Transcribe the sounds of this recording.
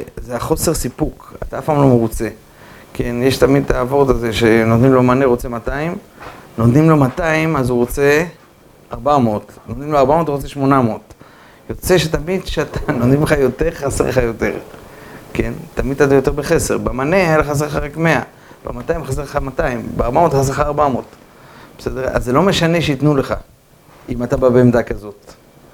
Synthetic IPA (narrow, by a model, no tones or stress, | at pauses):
zeaχo̞se̞ʁsipuka̰t̪aafpamlo̞meʁut͡se̞ | kʰe̞njeʃt̪amid̪̚taːvo̞ʁt̪aze̞ʃenotdnimlo̞maneʁot͡se̞mataimnod̪nimlo̞mataimazuʁot͡se̞ | aʁbamot̪nodnimloaʁbamo̞tuʁot͡se̞ʃmo̞namo̞t̪ | jo̞t͡se̞ʃe̞tamidʃeat̪ʰanodnimleχajo̞t̪e̞ʁχasḛʁleχajo̞te̞̰ʁke̞nt̪amid̪̚at̪ajo̞teʁbeχe̞se̞ʁbamaneajaleχas̬eeχaʁekme̞a | b̥ematajimχas̬eʁeχamataimbeaʁbamo̞tχas̬exaːʁbamo̞t̪ | b̥esedeʁa̰zːelo̞meʃane̞ʃeitnule̞χa̰ | imat̪ababeemd̪akazo̞t